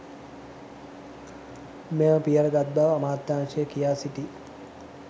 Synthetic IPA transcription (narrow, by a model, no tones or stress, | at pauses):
meməpijəɾəɡad̪ːaʋːmaːt̪ːaːŋʃijəkijaːsiʈi